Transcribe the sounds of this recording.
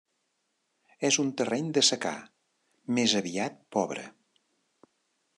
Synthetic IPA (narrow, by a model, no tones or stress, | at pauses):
ɛzunt̪ərɛɲd̪əsəka̰ | mezəβiat̪̚pɔβɾə̰